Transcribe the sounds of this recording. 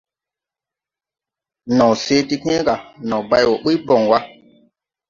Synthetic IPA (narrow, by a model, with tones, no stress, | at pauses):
nɔ̃˨wse˦ti˧kẽ˦ka˨nɔ̃˨ba˧jwɔ˨k͡pi˦bɔ˨ŋwa˦